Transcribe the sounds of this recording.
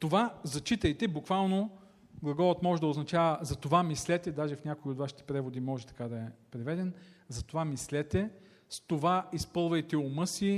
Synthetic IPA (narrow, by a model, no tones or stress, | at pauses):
t̪ovazɐt͡ʃit̪ɐjt̪ɛbukvalˠno | ɡlˠɐɡɔɾət̪mɔʒɛd̪ɐʊznɐt͡ʃavəzɐt̪ovamislɛt̪ɛd̪aʒɛfnʲakoiot̪vaʃi̥t̪ɛ̥pɾɛvod̪imɔʒɛt̪ɐ̥kad̪ɐɛpɾɛvɛd̪ɛnzɐt̪ovamislɛt̪ɛ | st̪ovaispɤlˠvɐjt̪ɛomɤsi